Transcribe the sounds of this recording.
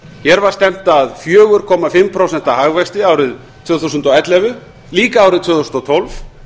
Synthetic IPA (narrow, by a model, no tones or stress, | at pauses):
çɛɾvaɾ̥st̪ɛm̥t̪aðfjœːɣʏɾ̥kʰɔmafɪmːpʰɾowsɛn̥t̪ahaɣvɛst̪ɪaːwɾɪð | tt̪ʰvʏːθusʏnt̪ɔɛt̪lɛvʏ | liːkaaːwɾɪðt̪ʰv̥ʏːθusnt̪ɔt̪ʰɔlvf